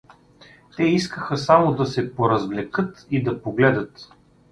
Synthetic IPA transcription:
t̪ɛiskəxəsamod̪ɐsɛpoɾɐzvlɛkɤt̪id̪ɐpoɡlɛd̪ət̪

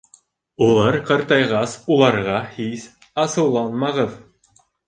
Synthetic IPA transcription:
ulˠɑɾqɑ̆ɾt̪ɑjʁɑsulˠɑɾʁɑhis | ɑsɤ̆wlˠɑnmɑʁɤð

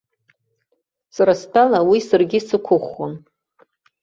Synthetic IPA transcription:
saɾastʰalawisarɡʲɪsɨkʷʰʊχon

